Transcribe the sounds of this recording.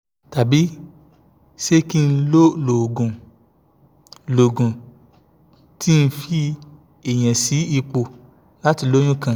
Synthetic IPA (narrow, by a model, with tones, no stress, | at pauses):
ta˨bi˨˦ | se˦ki˦˧n̩˦˧˦lo˦lo˨ɡũ˨ | lo˨ɡũ˨ | tʰi˦n̩˦˧fi˦ | e˨j̃ɛ̃˨si˨˦i˧k͡po˧ | la˦ti˧lo˦j̃ũ˦kã˧